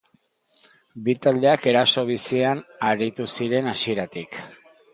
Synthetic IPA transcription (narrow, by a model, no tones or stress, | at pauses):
bit̪ald̪e̞ake̞ɾaso̞β̞isianaɾit̪usiɾe̞nasie̞ɾat̪ik